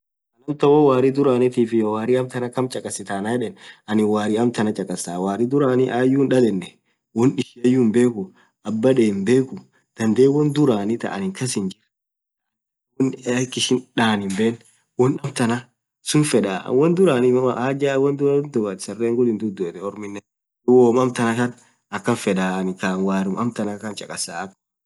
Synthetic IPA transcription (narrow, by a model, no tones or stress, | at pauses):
ɐnɐmt̪ɐwɔwaːɾɪd̪ʊɾaːnɛt̪iːfɪjowaːɾɪɐmt̪ɐnɐkɐmt͡ʃʼɐkʼɐsːɪt̪aːnaɛᶑɛnɐnɪwaːɾɪɐmt̪ɐnɐt͡ʃʼɐkʼɐsaːwaːɾɪd̪ʊɾaːnɪʔaːjːuːnᶑɐlɛnːɛ | wɔnᶑɪʃɪɐjːuːmbe̞ːkʊ | ʔɐbːɐᶑeːmbe̞ːkʊ | d̪̥ɐnd̪eːwɐnd̪ʊɾaːnɪt̪ɐ̰ʔɐ̰nɪŋkɐs̬ɪnd͡ʒɪɾ | wɔnɐkːɪʃɪnᶑaːnɪmbeːn | wɔnɐmt̪ɐnɐ | sʊnfɛᶑa̰ːwɔnd̪ʊɾaːnɪmɐaːd͡ʒaːwɐnd̪ʊɾand̪ʊɡɐnsɐrːeːŋɡʊlɪnd̪ʊd̪ːɔɛt̪ɛɔɾmɪnːɛ | ʊwoːmɐmt̪ɐnɐkɐn | ɐkːɐnfɛᶑaːnɪkaːnwaːɾɪmɐmt̪ɐnɐkɐnt͡ʃʼɐkʼɐsaːɐkː